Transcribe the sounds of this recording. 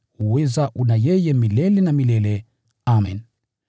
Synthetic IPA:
uwɛzaʔunajɛjɛmilɛlɛnamilɛlɛ | amɛ̰n

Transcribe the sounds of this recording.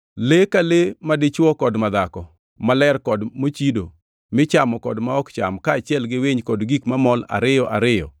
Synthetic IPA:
lekalemadɪt͡ʃwɔkɔdmad̪akɔ | malɛrkɔdmot͡ʃido | mɪt͡ʃamɔkɔdmaɔkt͡ʃa̰mkaːt͡ʃɪɛlɡɪweɲkɔdɡikmamɔla̰ɾɪjɔʔa̰ɾɪjɔ̰

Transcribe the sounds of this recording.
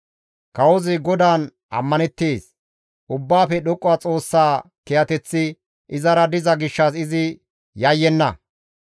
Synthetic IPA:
kɐwɔzɪɡɔd̪aːn | ʔɐ̰mːɐnɛt̪ːeːs | ʔʊbːaːfɛɗɔkʼːʊwat͡sʼo̞ːsːaː | kɛjɐt̪ɛt͡sːɪ | ʔɪzɐɾɐd̪ɪzɐɡɪʃːɐsɪzɪ | jɐjːɛnːɐ

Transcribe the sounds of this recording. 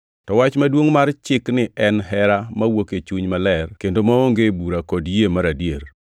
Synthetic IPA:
tɔwat͡ʃmadwoŋmart͡ʃɪknɪʔɛnɦɛɾamawoket͡ʃuɲmalɛrkendomaoŋɡebuɾakɔdjemaɾadjeɾ

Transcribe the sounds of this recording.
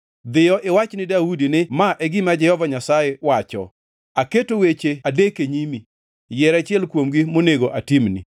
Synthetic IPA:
d̪ɪjɔʔɪwat͡ʃnɪdaudinɪmaʔɛɡɪmad͡ʒɛhɔvaɲasajewat͡ʃɔ̰ | aketowet͡ʃeadekeɲimi | jɛɾat͡ʃɪɛlkwomɡimoneɡoʔatimnḭ

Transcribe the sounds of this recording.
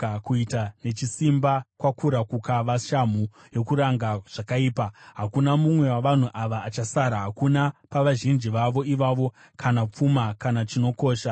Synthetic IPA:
kuitane̞t͡ʃisimbakwakuɾakukaʋaʃam̤u | jo̞kuɾaŋɡaʐ̥akaiːpaɦakunamumwe̞waʋan̤uʔaʋaːt͡ʃasaɾaɦakunapaʋaʒind͡ʒiʋaʋo̞iʋaʋo̞ | kʰanap͡fumakanat͡ʃino̞ko̞ːʃa

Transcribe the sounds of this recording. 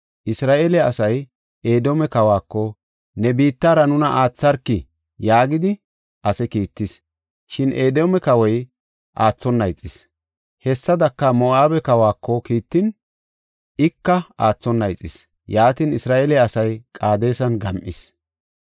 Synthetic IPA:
ʔɪsɾaːʔelɛɐsɐj | e̞ːd̪omɛkɐwaːkːɔ | nɛbiːt̪ːaːɾɐnʊnɐʔaːt͡sːɐɾkːɪ | jaːɡɪd̪ɪ | ʔɐsɛkiːt̪ːɪs | ʃɪnʔeːd̪ɔmɛkɐwɔj | ʔaːt͡sːɔnːɐjt͡sʼːɪs | hɛsːɐd̪ɐkːɐmɔaːbɛkɐwaːkːɔkiːt̪ːɪn | ɪkːɐaːt͡sːɔnːɐjt͡sʼːɪs | jaːt̪ɪnɪsɾaːʔelɛɐsɐjkʼaːd̪e̞ːsɐnɡɐmʔɪs

